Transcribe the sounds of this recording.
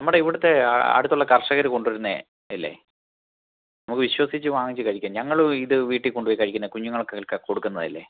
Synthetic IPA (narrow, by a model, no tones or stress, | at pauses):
nɐmːuɽe̞iʋiɽɐt̪ːe̞ɐ̰ɽut̪ːuɭːɐkɐrʂɐɣɐɾuko̞ɳɖuʋɾunːe | ilːḛ | nɐmukːɨʋiɕwɐsit͡ɕːɨʋaːŋit͡ɕːɨkɐɻikʲːaːnɲɐŋːɐɭiðɨʋiːʈːikːo̞ɳɖuʋɐjkɐɻikʲːunːɐkuɲːuŋːɐɭkːɨkko̞ɽukːunːɐðɐ̰lːe̞̰ː